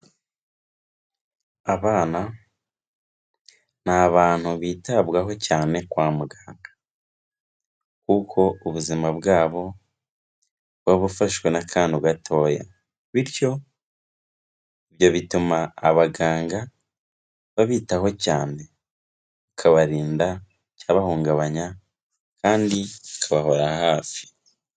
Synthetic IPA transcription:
aβaːna | n̥aβaːn̥huβiːtaβɡaɦo̞caːne̞kwaːmuɡaːŋɡḁ | kukʰo̞uβuzimabɡaːβo̞ | βaβufaʃɡwe̞nakʰaːnduɡatʰo̞ːja̰ | βiɾjo̞ | iβjo̞βitumaːβaɡaːŋɡa | βaβiːtaɦo̞caːne̞ | βukʰaβaɾiːnda | caːβahuːŋɡaβaɲa | kaːndiβakʰaβaɦo̞ɾahaːfi̥

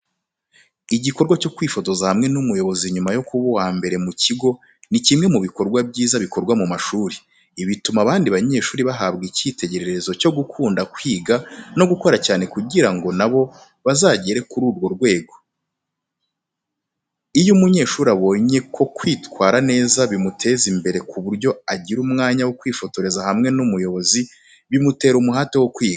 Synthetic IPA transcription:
iɟiko̞ɾɡwaco̞kwiːfo̞zozahamŋe̞numujo̞βo̞ziɲumajo̞kuβuwaːmbe̞ɾe̞muciɡo̞ | nicimŋe̞muβiko̞ɾɡwabɟiːzaβiko̞ɾɡwamumaʃuːɾiː | βitumaβaːndiβaɲe̞ːʃuːɾiβaɦabɡiciːte̞ɟe̞ɾe̞ɾe̞zo̞co̞ɡukʰuːndakwiːɡano̞ɡuko̞ɾacaːne̞kuɟiɾaŋɡo̞naβo̞ | βazaːɟeɾe̞kuɾuːɾɡo̞ɾɡwe̞ːɡo̞ | ijumuɲe̞ːʃuːɾaβo̞ɲe̞kʰo̞kwiːtwaːɾane̞ːzaβimutʰe̞ːzimbe̞ɾe̞kuβuɾɟo̞aɟiɾumŋaːɲawokwiːfo̞to̞ɾe̞zahamŋe̞numujo̞βo̞zi | βimute̞ːɾumuɦaːtewokwiːɡa

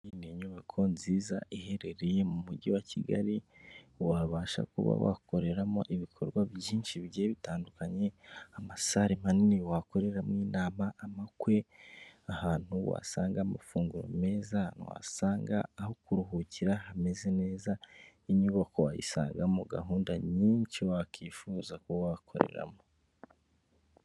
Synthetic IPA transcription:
ineɲuβakʰo̞nziːzaʔihe̞ɾe̞ɾeje̞mumuɟiwaciɡa̰ɾiwaβaːʃa̰kuβa̰wa̰ko̞ɾe̞ɾamo̰ʔiβikʰo̞ɾɡwaβjiːnʃiβɟeβitaːndukaɲe̞amasaɾim̥aniniwako̞ɾe̞ɾamŋiːnaːmaʔːmakwe̞ahaːn̥huwa̰saːŋɡama̰fuːŋɡuɾo̰me̞ːzanṵwa̰saːŋɡaːho̞kuɾuhuciɾahame̞ze̞ne̞ːza | iɲuβakowa̰jḭsa̰ːŋɡamuɡa̰ɦuːndaɲiːnʃiwakʰiːfuːzakuβawakʰo̞̰ɾe̞̰ɾa̰mo

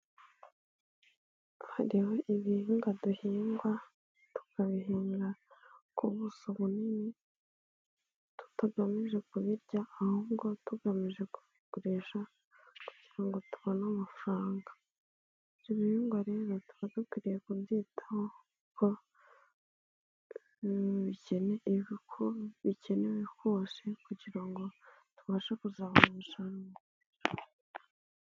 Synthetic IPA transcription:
haɾiho̞ʔiβihiŋɡaduhiːŋɡwa | tu̥kaβiɦiːŋɡakuβusoβunini | tu̥taɡamiʒe̞kuβiɾɟaːhuβɡo̞tuɡamiʒe̞ku̥βikuɾiʃa | ku̥ɟ̥iɾaŋɡo̞tu̥βonamafuɾaːŋɡa | ɾiβiβiŋɡoɾe̞ːɾo̞tu̥βadukwiːɾijekundiːtʰḁho | kʰo | βice̞neβikʰoβice̞neβikosekuɟiɾaŋɡo̞tuβaʃekuzaːβamuʃaɾŋɡo

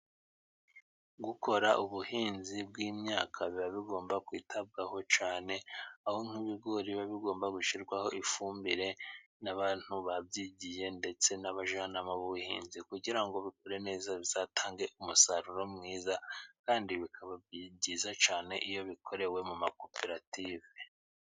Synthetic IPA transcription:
ɡukʰo̞ɾaʔuβuhiːnzibɡiːmɲaːkʰaβiβaβiɡo̞ːmbakwiːtʰab̚ɡaho̞t͡ʃaːne̞ahoŋ̥huβiɡo̞ɾiβaβiɡo̞ːmbaɡuʃiɾɡwaho̞ʔifuːmbiɾe̞ | naβaːn̥huβabɟiɟije̞nde̞t͡se̞naβaʒanamaβuhḭːnzikuɟiɾaŋɡo̞βikoɾe̞ne̞ːzaβizaːtʰaːŋɡe̞ʔumusaɾuɾo̞mŋiːzakaːndiβikʰaβabjiɟizat͡ʃaːne̞̰ʔijo̞βikʰo̞ɾe̞we̞mumako̞pe̞ɾative

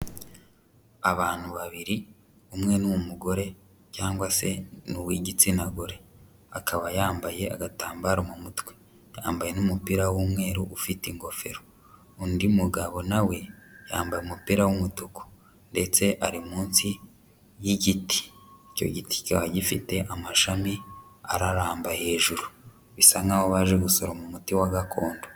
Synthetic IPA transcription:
aβaːn̥huβaβiɾi | umŋe̞numumuɡo̞ɾe̞ | caːŋɡwase̞nuwiɟit͡sinaɡo̞ɾe̞ | akʰaβajaːmbaje̞a̰ɡataːmbaɾumumutwe̥ | ja̰ːmbaje̞numupiɾawumwe̞ːɾuʔufitiŋɡo̞fe̞̰ɾo | undimuɡaβo̞nawe̞jaːmbajeumupiɾawumutoko̥ | nde̞t͡se̞ʔaɾimuːnsi | jiɟiti̥ico̞̰ɟiti̥caβaɟifite̞ʔamaʃamia̰ɾaɾaːmbahe̞ːʒuɾu | βisaŋɡaβoβaːʒe̞ɡuso̞ɾomumutiwaɡakʰo̞ːndo

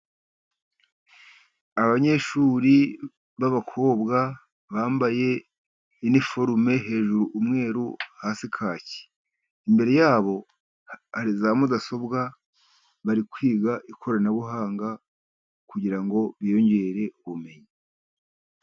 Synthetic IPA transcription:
aβaɲe̞ʃuːɾi | βaβakʰo̞ːbɡa | βaːmbaje̞ | inifo̞ɾume̞ɦe̞ːʒuɾuʔːmŋe̞ːɾuhaːsikʰaːci̥ | imbe̞ɾe̞jaːβo̞ | haɾizamudaso̞bɡa | βaɾikwiːɡaʔikʰo̞ɾanaβuɦaːŋɡa | kuɟiɾaŋɡo̞βjio̞ɲɟe̞ɾe̞uβume̞ɲi

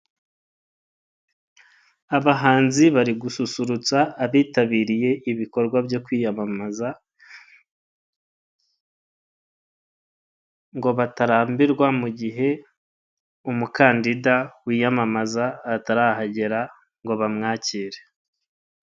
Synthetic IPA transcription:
aβaɦaːnziβaɾiɡususuɾut͡saːβiːtaβiːɾije̞ʔiβiko̞ɾɡwabjo̞kwiːjamamaza | ŋɡo̞βataɾaːmbiɾɡwamuɟiɦe̞ | umukaːndidawiːjamamazaataɾaːhaɟe̞ɾa | ŋɡo̞βamŋaːciːɾe

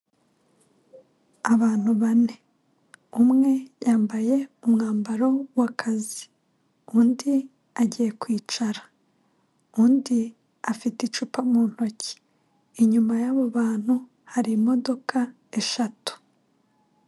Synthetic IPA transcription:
aβaːn̥huβane̞ | umŋe̞jaːmbaje̞umŋaːmbaɾo̞wakʰazi̥ | undi | aɟije̞kwiːt͡ʃaɾa | undi | afitit͡ʃupamuːn̥ho̞ci̥ː | ɲumajaβoβaːn̥hu | haɾiːmo̞do̞ka | e̞ʃatu̥

